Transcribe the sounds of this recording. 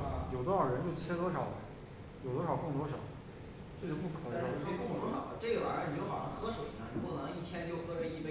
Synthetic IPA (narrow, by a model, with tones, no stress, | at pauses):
jo˨˩ʊt̪wɔ˥ʂɑ˨˩ɻə˧˥nt͡ɕjo˥˩ʊt͡ɕʰjɛ˥t̪wɔ˥ʂɑ˨˩ʊl | jo˨˩ʊt̪wɔ˥ʂɑ˨˩ʊkɤ˥˩ŋt̪wɔ˥ʂɑ˨˩˦ʊ | ʈ͡ʂɤ˥˩ʂo˥˩pu˥˩kʰɤ˨˩d̪ə˧ʂɔ˥kŋt̪wɔ˥ʂɑ˨˩ʊlʈ͡ʂɤ˥˩ɡə˩wa̰˨˩˥t͡ɕjo˥ʊxɑ˨˩ʊɑ˥ŋxɤ˥ʂwe˨˩ɪna˥˧˩n̩˧˥pu˥˩nɤ˧˥ŋi˥˩t̪ʰjɛ˥nt͡ɕjo˥˩ʊxɤ˥ʈ͡ʂə˧˥i˥˧pe˥˩